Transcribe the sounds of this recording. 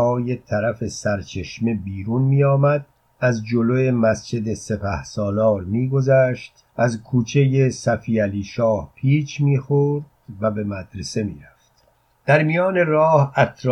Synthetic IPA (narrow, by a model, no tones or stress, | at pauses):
ɒːje̞t̪ʰæɾæfe̞sæɾt͡ʃʰe̞ʃmebiːɾuːnmiːɒːmæd̪̚ | æzd͡ʒo̞loje̞mæsd͡ʒe̞d̪e̞se̞pʰæhsɒːlɒːɾmiːɡo̞zæːʃt̪ | ʔæzkʰuːt͡ʃʰe̞jesæfiːæliːʃɒːhpʰiːt͡ʃʰmiːxoɾd̪̥væbe̞mæd̪ɾese̞mḭːɾæft̪ | d̪̥æɾmijɒːne̞ɾɒːhæt̪ʰɾ